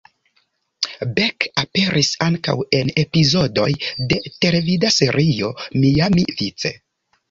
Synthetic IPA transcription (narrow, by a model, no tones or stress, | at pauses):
bekape̞ɾʔisaŋka̰we̞ne̞pizo̞do̞jde̞te̞levidase̞ɾʔio̞mijamivit͡se̞̰